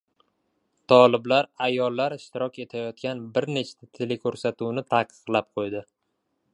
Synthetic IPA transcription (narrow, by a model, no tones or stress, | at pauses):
t̪ʰɒlɪblaɾajɒlˠːaɾɪʃt̪ɪɾɒkʲe̞t̪ʰajɒt̪kʲanbɪɾne̞t͡ʃʰt̪ʰat̪ʰelekʲʰɵɾsat̪uwnɪt̪ʰaqʰɨ̥qlˠap̚qʰojd̪ɪ